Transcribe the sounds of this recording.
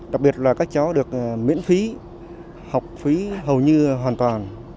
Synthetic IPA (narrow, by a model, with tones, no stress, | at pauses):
ɗa˨˩k̚ɓi˨˩ət̚laː˨˩kaː˦˥k̚t͡ɕa˨˦wɗɨ˨˩ək̚mḭ˧˥ənfi˨˦ | ha˨˩wk͡p̚fi˨˦ɦə˨˩wɲɨ˧ɦwaː˨˩nt̪waː˨˩n